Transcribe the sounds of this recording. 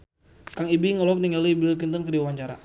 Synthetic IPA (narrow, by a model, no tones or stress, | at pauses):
kaŋibiŋɔlɔk̚niŋalibilk̬int̪ɔnkədiwaɲt͡ʃaɾa